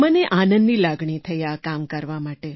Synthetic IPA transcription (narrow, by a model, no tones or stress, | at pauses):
məneʔanənːilaɡɳit̪ʰəjakamkəɾʋamaʈe